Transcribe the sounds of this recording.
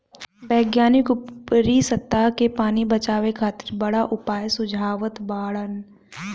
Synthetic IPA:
bɛːɡjaːnɪkʊpɾisɐt̪ːaɦkepaːnibɐt͡ʃaːʋekʰaːt̪ɪ̥ɾbɐɽaʔʊpaːjsʊd͡ʒʱaːʋət̪baːɽən

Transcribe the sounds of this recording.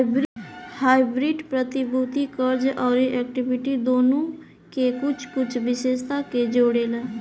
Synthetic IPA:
bɾhaːɪbɾiːʈpɾət̪ɪbuːt̪ikəɾd͡ʒɔːɾiʔɛːk̚ʈɪbɪʈid̪oːnõ | kekʊt͡ʃʰkʊt͡ʃʰʋɪʃeːʃt̪aked͡ʒoːɽeleː

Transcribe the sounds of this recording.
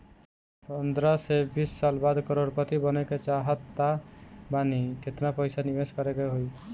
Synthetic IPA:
pənd̪ɾasebisːalbad̪kɔɾoɾkɔt̪ibɔnɛket͡ʃaɦət̪ːabanikʰet̪napɔjsanibeskɔɾeɡɔɦoj

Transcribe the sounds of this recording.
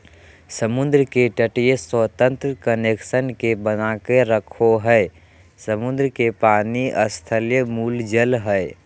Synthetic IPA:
səmʊnd̪ɾkeʈəʈijəswət̪ə̃nt̪ɾəkəneksənkebənakeɾəkʰoɦəe | səmʊnd̪ɾəkepaːniʔəst̪ʰəljəmuːld͡ʒəlɦəe

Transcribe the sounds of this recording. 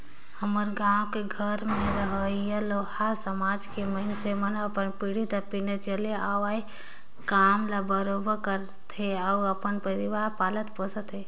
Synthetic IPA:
həməɾɡãwokeɡʱəɾmẽɾəɦəijəlohasəmad͡ʒkeməɦinsemənəpənpiɽid̪apinet͡ʃəleaʋai | kamlabəɾobəkəɾ | t̪eauəpənpəɾiʋaɾpaːlət̪posət̪ɦe

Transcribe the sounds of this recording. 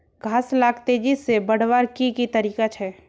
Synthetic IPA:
ɡʱaːslaːɡt̪ed͡ʒisebəɽ̤ʋaːɾkikit̪əɾiːkat͡ʃʰɛː

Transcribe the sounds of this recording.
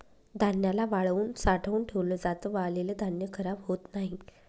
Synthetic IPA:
d̪ʱanjalaʋaɭuːnsaʈʰəuːnʈʰeʋləd͡zat̪əʋaɭleləd̪ʱanjəkʰəɾabɦot̪naɦi

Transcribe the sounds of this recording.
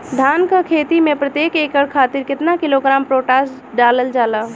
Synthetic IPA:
d̪ʱaːnkakʰeːt̪imẽpɾət̪jeːkeːkəɽkʰaːt̪ɪɾkɪt̪nakɪloɡɾaːmpɾoːʈaːs | ɖaːləld͡ʒaːlaː

